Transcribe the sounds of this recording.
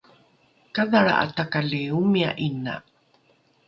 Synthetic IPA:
kaðaɭa̰ʔa̰takaleumia̰ʔina̰

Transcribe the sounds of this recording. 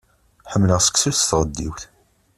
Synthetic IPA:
ħəmːləʁsə̥ksuθt̪ʁəd̪ːiwθ

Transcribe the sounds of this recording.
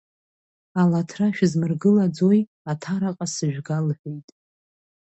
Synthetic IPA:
alatʰraʃᶣzmɨrɡɨlad͡zoj | atʰaɾaqʼasɨʒᶣɡalħʷᶣejtʼ

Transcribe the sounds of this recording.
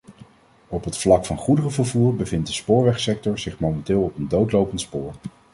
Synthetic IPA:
ɔpɦətflɑkfɑnχudərəvəɹvuːɹbəvɪntdəspʊːɹʋɛχsɛk̚tɔɹz̥ɪχmowmɛntɪːlˠɔpəndowtlowpəntspʊːɹ

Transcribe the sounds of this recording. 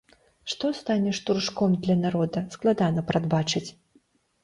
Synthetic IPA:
ʂt̪ɔst̪anʲɛʂt̪urʂkɔmd̪lʲɐnaɾɔd̪ɐsklˠad̪anɐpɾad̪bat͡ʂɨt͡sʲ

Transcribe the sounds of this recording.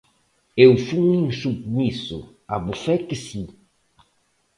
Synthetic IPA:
ewfuŋĩŋsub̚misʊ̰ | abufɛk̪ɪsi

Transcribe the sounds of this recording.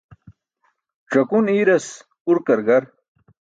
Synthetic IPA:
ʈ͡ʂɐkuniːɾɐs | uɾkɐɾɡɐɾ

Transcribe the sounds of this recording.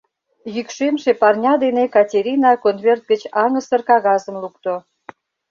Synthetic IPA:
jykʃemʃepɑrnʲɑd̪enekɑtʲeɾʲinɑkonvʲert̪̚ɡət͡ɕɑŋəsərkɑɣɑzəmluk̚t̪o

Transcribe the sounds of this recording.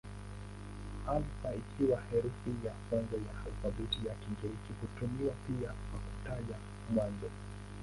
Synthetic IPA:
amfaikʰiwahɛɾufijakwanzajahalfaɓitijakiŋɡɛɾikihutumiwapiakwaku̥taʄa | mwanzɔ

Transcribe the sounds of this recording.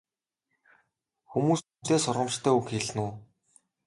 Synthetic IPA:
xumuːsum̥t̪eːsʊɾʁə̆mt͡ɕt̪ʰæːukxeɮnuː

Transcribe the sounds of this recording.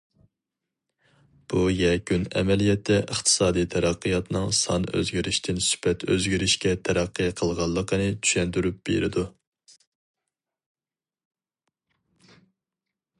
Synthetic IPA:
b̥ujɛkʰʲynɛ̰mɛlijɛt̪ʰːɛʔəχt̪ʰɨ̥sɑːd̪ijt̪ʰɛɾæqːɨjɑt̪nɨŋsɑnø̰zɡʲiɾɪʃt̪ʰɪnsy̥pɛt̪ʰøzɡʲiɾɪʃkʲɛt̪ʰɛɾæqːɨjqʰəlˠʁɑlˠːəqənɨt̪ʰy̥ʃɛnt̪yɾyp̚b̥ḛɾɪd̪u

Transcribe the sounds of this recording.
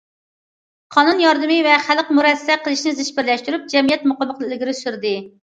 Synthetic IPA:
qʰɑnunjɑɾd̪ɨmɪvɛχælqmuɾɛsːɛqʰəlˠɪʃnɪzɪʃbɪɾlɛʃt̪yɾyp̚d͡ʒɛmijɛt̪mʊqɑlbəq̪lɡʲiɾɪsyɾd̪ɪ

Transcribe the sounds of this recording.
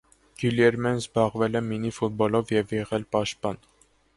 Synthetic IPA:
ɡ̥uljɛɾmɛnzbɑʁvɛlɛminifut̪̚bɔlɔvjɛvjɛʁɛlpɑʃt̪̚pɑn

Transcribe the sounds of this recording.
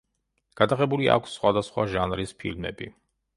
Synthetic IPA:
ɡ̥ad̪aʁɛbulia̰kʰsːχwad̪asχwaʒanɾispʰḭlmɛ̰bi

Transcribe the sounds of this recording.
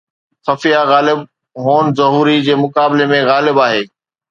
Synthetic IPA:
xɐfijaɣaːlɪb̚ | ɦoːnzɐɦuːɾid͡ʑeːmʊkaːbɪlemẽɣaːlɪbaːɦeː

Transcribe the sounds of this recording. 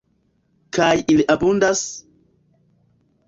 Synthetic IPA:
kajiliʔabundas

